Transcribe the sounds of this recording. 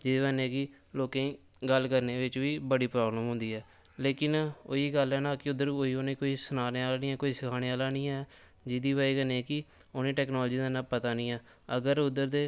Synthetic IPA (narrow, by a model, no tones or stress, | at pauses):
d͡ʒɪd̪eːbənẽːɡiː | loːkẽ | ɡəlkəɾneːʋɪt͡ʃʋiːbəɽiːpɾaːbləmɦʊ̃nd̪iːɛː | leːkɪnoːiːɡəlɦɛːnaːkɪʊd̪ːəɾoːiːonẽːkoːiːsənaːneaːlaːnĩːɛːkoːiːsəkʰaːɽeːaːlaːnĩːɛː | d͡ʒɪd̪iːbaːiːkəneːkɪʊnẽːʈɛːknɔːlːd͡ʒiːd̪aːnãːpət̪aːnĩːɛː | əɡəɾʊd̪əɾd̪eː